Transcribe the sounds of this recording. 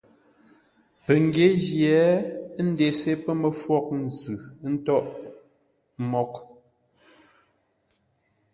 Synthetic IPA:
pə˨ŋ˨ɡje˦ʒjɛ˨˦n̩˦de˨se˦pə˦mə˨fwɔ˦k̚n̩˨zɯ˨˦n̩˦tɔ˦ʔ | mɔ˦k

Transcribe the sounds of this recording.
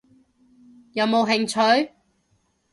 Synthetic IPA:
jɐ˨˧wmo˨˧wɦɪ˨ŋt͡ʃʰɵ˨˥ɥ

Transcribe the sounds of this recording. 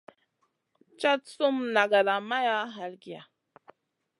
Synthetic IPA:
t͡ʃa˦tsu˦mna˨ɡa˨la˨ma˦ja˦ɦa˨lɡi˨ja˨

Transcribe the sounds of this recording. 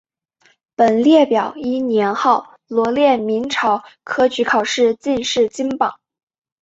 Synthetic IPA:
pə˨˩nljɛ˥˩pjɑ˨˩˦ʊi˥njɛ˧˥nxɑ˥˩ʊ | lwɔ˧˥ljɛ˥˩mi˧˥nʈ͡ʂʰɑ˧˥ʊkʰɤ˥t͡ɕy˧˥kʰɑ˨˩ʊʂɻ̩˥˧t͡ɕi˥˧nʂɻ̩˥˩t͡ɕi˥ŋpɑ˨˩˦ŋ

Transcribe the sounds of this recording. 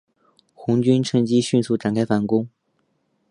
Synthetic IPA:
xʊ˧˥ŋt͡ɕy˥nʈ͡ʂʰɤ˧˥ŋt͡ɕi˥ɕy˥˧nsu˥˩ʈ͡ʂa˨˩nkʰa˥ɪfa˧˥nkʊ˥ŋ

